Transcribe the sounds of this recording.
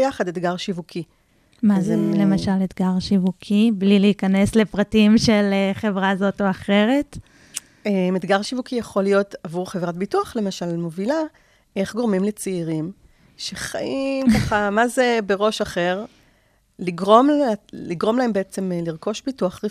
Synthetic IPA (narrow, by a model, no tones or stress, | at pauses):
jaχadet̪ɡaʁʃivukʰi | mazele̞maʃalet̪ɡaʁʃivukʰibliliːkane̞sle̞pʁatimʃe̞leχe̞vʁazo̞toaχe̞ʁe̞t | emed̪ɡaʁʃivukijaχo̞lijo̞tavuʁχevʁat̚bituaχle̞maʃalmo̞vila | e̞χɡo̞ʁmimlet͡seiʁim | ʃeχa̰ʔimkaχamaze̞beʁo̞ʃaχeʁ | liɡʁo̞maliɡʁomlaembeet͡se̞mliʁko̞ʃbituaχʁi